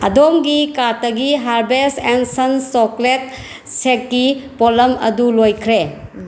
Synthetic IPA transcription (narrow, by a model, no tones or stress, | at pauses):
ɐdomɡikatɐɡiɦaɾbesensɐnsoklet̚ | sek̚ɡipɔlɐmɐ̰dulojkʰɾe